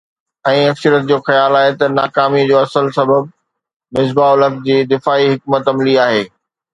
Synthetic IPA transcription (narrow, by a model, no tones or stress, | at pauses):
ɛ̃ːɐksəɾət̪̚d͡ʑoːxɐjaːlaːɦet̪ɐnaːkaːmid͡ʑoːɐsəlsɐbəb̚ | mɪzbaʊləkd͡ʑiːd̪ɪfaːiɦɪk̚mət̪ɐmliaːɦeː